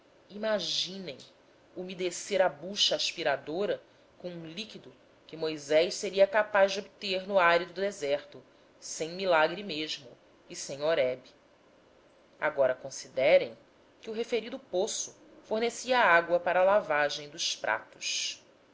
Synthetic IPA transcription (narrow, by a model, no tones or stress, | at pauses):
imaʒĩnẽj̃ | umid̪eseɾɐbuʃɐːʃpiɾad̪oɾɐ | kõũlikid̪ʊ | kɪmojzɛjʃseɾiɐkapazd͡ʒɪobit̪eɾnʊajɾid̪ʊʊd̪ezɛɾt̪ʊ | sẽj̃milaɡɾimeʒmʊ | isẽj̃oɾɛbi | a̰ɡɔɾɐkõsid̪ɛɾẽj̃ | kɪuɦefeɾid̪ʊposʊ | foɾnesiɐːaɡwɐpaɾɐaːlavaʒẽj̃d̪ʊʃpɾʔa̰t̪ʊ̥ʃ